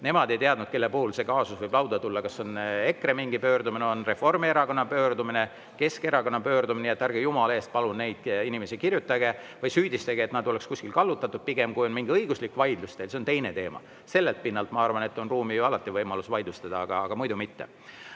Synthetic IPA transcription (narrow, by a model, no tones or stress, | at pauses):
ne̞mɑd̪e̞jt̪eɑd̪nud̪̥̚ke̞lːepuhulse̞kɑːsusvɤjb̥lɑwd̪̥ɑt̪ulːɑkɑsːo̞ne̞kremiŋɡipø̞ːɾd̪umineo̞nre̞fo̞rmie̞ɾɑko̞nːɑpø̞ːɾd̪umine̞ | ke̞ske̞ɾɑko̞nːɑpø̞ːɾd̪uminejet̪ːˑærɡ̥ejumɑle̞ːst̪̚pɑlunne̞jd̪̥inimesikirjut̪ːˑɑɡe̞vɤjsyːd̪ist̪ɑɡ̥eeːt̪nɑd̪olekskusʲkilkɑlːut̪ːˑɑt̪ːˑud̥̪̚piɡ̥e̞mkujo̞nmiŋɡiɤjɡ̥uslikːvɑjd̪̥lust̪eːlse̞ont̪e̞jne̞t̪e̞ːmɑ̰ | se̞lːelt̪̚pinːɑlt̪ˑmɑɑrvɑne̞t̪ːˑo̞nruːmijuɑlɑt̪ːˑivɤjmɑlusvɑjd̪̥ust̪ɑd̪ɑɑɡ̥ɑːɡ̥ɑmujd̪umit̪ːe